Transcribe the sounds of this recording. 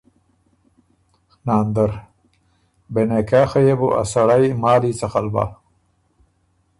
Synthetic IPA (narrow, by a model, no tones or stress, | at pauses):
naːnd̪aɾ | benekaːxajebuʔa̰saɽajmaːlit͡saxalba̰